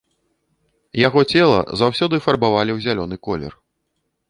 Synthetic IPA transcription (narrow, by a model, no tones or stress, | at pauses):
jaɣɔt͡sʲɛlˠɐ̰zawsʲɔd̪ɨfɐrbavalʲiwzʲalʲɔnɨkɔlʲɛ̰r